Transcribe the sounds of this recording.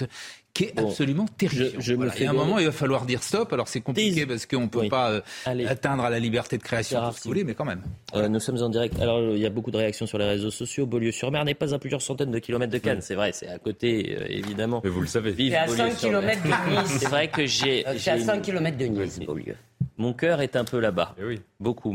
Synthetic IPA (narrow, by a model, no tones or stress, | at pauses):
kʲiɛãpsɔlymɑ̃t̪eʁiʒjʒəmɛɛ̃mɔmɑ̃ilvafalwaʁd̪iʁst̪ɔpalɔʁsɛkɔ̃pikʲepaʁsə̥kəɔ̃pøpaøaleat̪ɛ̃d̪ʁalalibɛʁt̪ed̪əkχeasjɔ̃siulemɛkɑ̃mɛmønusɔmzɑ̃d̪iʁɛk̚t̪a̰lɔʁiljabokud̪əʁeaksjɔ̃syʁleʁezosɔsjoboljøsyʁmɛʁnɛpazaplyzjœʁsɑ̃t̪ɛnd̪əkʲilɔmɛt̪̚χd̪əkansɛvʁɛsɛakot̪eø̰ḛvid̪amɑ̃mɛvuləsavevivaboljɛø̃syiʁlɔɛmɛt̪nzsɛvʁɛkəʒeeasɛ̃kʲːilɔmɛt̪̚d̪ənizbo̰ljø̰ | mɔ̃kʲœʁɛt̪ɛ̃pølaba̰ɛwibokʰu